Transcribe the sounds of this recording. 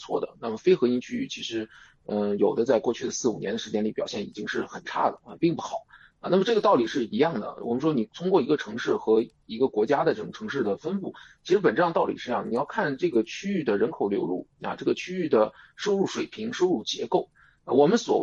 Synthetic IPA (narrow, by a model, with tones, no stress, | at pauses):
t͡sʰwɔ˥˩d̪ə̰˩na˥˩mə˩fe˥ɪxɤ˧˥i˧˥nt͡ɕʰy˥y˥˩t͡ɕʰi˧˥ʂɻ̩˧˥ | ə˧jo˨˩ʊd̪ə˦t͡sa˥˧ɪkwɔ˥˧t͡ɕʰy˥˩ə˩sɹ̩˥˩u˨˩jɛ˧˥nd̪ə˧ʂɻ̩˧˥t͡ɕjɛ˥nli˨˥pjɑ˨˩ʊɕjɛ˥˩ni˨˩t͡ɕi˥ŋʂɻ̩˥˩xə˨˩nʈ͡ʂʰa̰˥˩d̪ə̰˩ɐ˧pi˥˧ŋpu˥˩xɑ˨˩˦ʊ˧ | na˥˩mə˩ʈ͡ʂɤ˥˩ɡə˩t̪ɑ˥˩ʊli˨˩ʂɻ̩˥˩i˧˥jɑ˥˩ŋd̪ə̰˩wɔ̰˨˩mə˦ʂwɔ˥ni˨˩t̪ʰʊ˥ŋkwɔ˥˩i˧˥ɡə˧ʈ͡ʂʰɤ˧˥ŋʂɻ̩˥˩xɤ˧˥ | i˧˥ɡə˧kwɔ˧˥t͡ɕja˥d̪ə˨ʈ͡ʂɤ˥˩ʊ˩ʈ͡ʂʰɤ˧˥ŋʂɻ̩˥˩d̪ə˩fə˥nfu˥˩t͡ɕʰi˧˥ʂɻ̩˧˥pə˨˩nʈ͡ʂɤ˥˧ə˧t̪ɑ˥˩ʊlḭ˨˩ʂɻ̩˥˧ɑ˥˩ŋd̪ni˨˩jɑ˥˧ʊkʰa˥˧nʈ͡ʂɤ˥˩ɡə˩t͡ɕʰy˥y˥˩d̪ə˩ɻə˧˥nkʰo˨˩ʊljo˧˥ʊlṵ˥˩ɐ̰˧˩ʈ͡ʂɤ˥˩ɡə˩t͡ɕʰy˥y˥˩d̪ə˩ʂo˥ʊɻu˥˩ʂwe˨˩ɪpʰi˧˥ŋʂo˥ʊɻu˥˩t͡ɕjɛ̰˧˥ko˥˩ʊ˧ | wɔ˨˩mə˦nswɔ̰˨˩